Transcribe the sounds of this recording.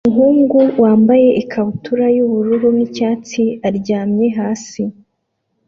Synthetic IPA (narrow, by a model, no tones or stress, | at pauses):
uŋɦuːŋɡuwaːmbaje̞ʔikʰahutuɾajuβuɾuɾunicaːt͡siaɾɟaːmɲe̞ɦaːsi